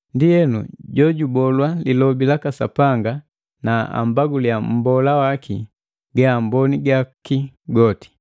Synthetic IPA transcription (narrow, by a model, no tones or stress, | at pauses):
ndiɛnṵɟɔɟubɔlwalilɔbilakasa̰paŋɡa | naa̰mbaɡulijam̩bɔlawakʰi | ɡaambɔniɡakiɡɔti̥